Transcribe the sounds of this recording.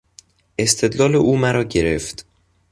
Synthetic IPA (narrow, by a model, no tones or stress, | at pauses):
ʔe̞st̪ʰe̞d̪lɒːleʔuːmæɾɒːɟe̞ɾeft̪